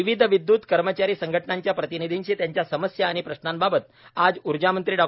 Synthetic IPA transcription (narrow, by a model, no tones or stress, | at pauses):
iʋid̪ʱʋid̪ːuːt̪kəɾmət͡ɕaɾiːsəŋɡʱəʈnaɲt͡ɕjapɾət̪inid̪ʱiɲt͡ɕiːt̪jaɲt͡ɕjasəməsjaːɽ̃ipɾəɕnambabət̪ | ad͡zuɾd͡ʑamənt̪ɾiːɖɔ